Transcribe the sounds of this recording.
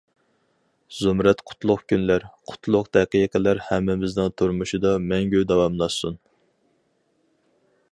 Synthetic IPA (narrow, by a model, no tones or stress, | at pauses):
zumɾɛt̪qʰʊ̥t̪ʰlˠʊqkʲʰynlæɾqʰʊ̥t̪ʰlˠʊqd̪ʰɛqijqʰəlæɾhɛmːɪmɪznɪŋt̪ʰuɾmuʃid̪ɑmɛŋɡʲød̪ɛwɑmlˠɑʃsun